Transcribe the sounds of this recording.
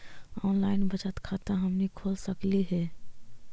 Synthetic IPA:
ɔːnlaːɪnbət͡ʃət̪kʰaːt̪əɦəmnikʰoːlsəkliɦɛː

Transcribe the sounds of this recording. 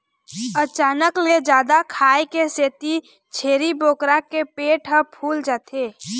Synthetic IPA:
ət͡ʃaːnəkled͡ʒaːd̪akʰaːjkeseːt̪i | t͡ʃʰeːɾiboːkɾakepeːʈɦəpʰuːld͡ʒaːt̪ʰeː

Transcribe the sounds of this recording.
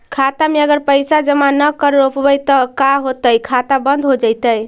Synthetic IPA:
kʰat̪ameəɡəɾpəjsad͡ʒəmanəkəɾɾopbəjt̪əkaɦot̪əjkʰat̪abənd̪ʱɦod͡ʒəjt̪əj

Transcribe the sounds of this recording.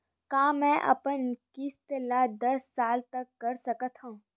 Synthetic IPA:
kãːmɛ̃ːʔɐ̰pənkɪst̪laːd̪ɐsːaːlt̪ɐkːɐɾsɐkət̪ʰhũː

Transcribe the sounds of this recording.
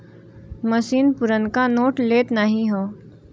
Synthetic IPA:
mɐsiːnpʊɾənkanoːʈleːt̪naɦĩɦoː

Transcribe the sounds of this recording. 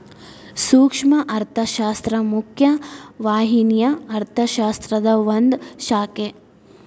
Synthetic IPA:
suːkʂmɐʔɐɾt̪ʰɐʃaːst̪ɾɐmukʰjɐʋaːɦinjɐɐɾt̪ʰɐʃaːst̪ɾɐd̪ɐʋɐnd̪ʃaːke

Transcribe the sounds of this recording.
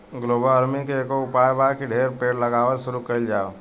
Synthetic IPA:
ɡloːbələɾmikekoʊpajbakiɖʱeɾpeːɽləɡaːʋəlsʊɾukəɪld͡ʒao

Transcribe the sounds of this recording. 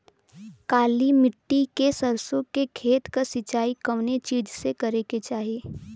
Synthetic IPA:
kaːlimɪʈːikesɐɾsõkekʰeːt̪kasɪt͡ʃaːikɐʋnet͡ʃiːd͡ʒsekɐɾeket͡ʃaːɦieː

